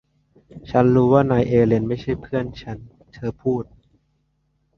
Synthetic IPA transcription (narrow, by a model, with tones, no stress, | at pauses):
t͡ɕʰa˦˥nɾuː˦˥waː˥˩naː˧jʔeː˧le˧nma˥˩jt͡ɕʰa˥˩jpʰɯ˥˩ənt͡ɕʰa˦˥n | t̪ʰɤː˧pʰuː˥˩t̪̚